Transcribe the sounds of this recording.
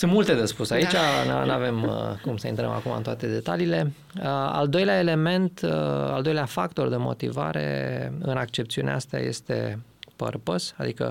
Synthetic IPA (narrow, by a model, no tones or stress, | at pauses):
sɨnt̪mult̪e̞d̪espusait͡ʃannave̞mkumsəḭnt̪ɾə̰ma̰kumaɨnt̪oat̪e̞d̪e̞t̪aliːle̞ | a̰ld̪o̞jleae̞le̞me̞nt̪ald̪o̞jleafak̚t̪o̞rd̪emo̞̰t̪ḭva̰ɾe̞̰ɨnakt͡ʃe̞p̚t̪siunḛaast̪ea̰je̞̰st̪e̞̰pə̰rpəsad̪ikə̰